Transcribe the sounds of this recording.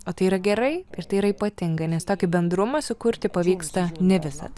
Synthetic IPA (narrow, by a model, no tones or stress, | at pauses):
oːt̪ɐɪiːɾɐɡʲɛɾɐɪɪɾt̪ɐɪiɾɐiːpɐt̪ʲɪŋɡɐɪnʲɛst̪oːkʲɪbʲɛnd̪ɾʊmɐsʊkʊɾʲt̪ʲɪpɐʋʲiːkst̪ɐnʲɛʋʲɪsɐ̰t̪